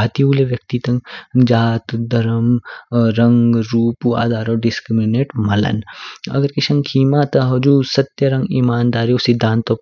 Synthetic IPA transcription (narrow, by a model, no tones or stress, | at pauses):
at̪iuːleʋjɐk̚t̪it̪ɐ̃ŋɡd͡ʒaːt̪d̪ɐɾəmɾɐ̃ŋɡɾuːpua̰ːd̪aːɾɔːɖɪskɾimineːʈmɐlɐ̰nɐ̰ɡəɾkɪʃɐ̃ŋɡkʰiːmat̪ɐɦɐd͡ʒuːsɐt̪jɐɾɐ̃ŋɡimaːnd̪aːɾiʊsid̪ʱãːnt̪o